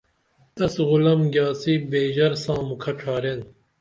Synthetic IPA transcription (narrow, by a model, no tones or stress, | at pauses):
t̪ɐsɣʊlɐmɡʲjaːsiːbeːʑɐɾsãːmukʰɐʈ͡ʂʰaːɾen